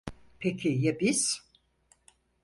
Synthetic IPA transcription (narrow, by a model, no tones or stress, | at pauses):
pʰecʰijabiz̥